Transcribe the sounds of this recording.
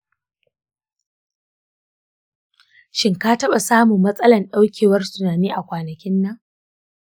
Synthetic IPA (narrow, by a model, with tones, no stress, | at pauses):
ʃɪ˦ŋkaː˦tɐ˦ɓa˨saː˦mu˨mːɐ˦sʼɐ˦lɐ˨nɗa˦wkʲʰeː˨wɐ˦rsʼʊ˨naː˨niː˦ʔa˨kʷaː˨nɐ˨kʲɪ˦nːɐ˦ŋ